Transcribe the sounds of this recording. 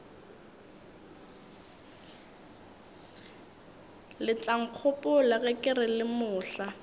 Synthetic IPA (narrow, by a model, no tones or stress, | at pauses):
lɪt͡ɬʼaŋ̩q͡χʰʊpʼʊlaɣɛkʼɪrɪlɪmʊːɬa